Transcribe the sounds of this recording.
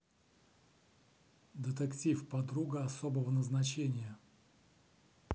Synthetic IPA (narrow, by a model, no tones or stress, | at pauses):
d̪ʲət̪əktʲifpɐd̪ɾuɡəɐsobəvənəznɐt͡ɕenʲɪjə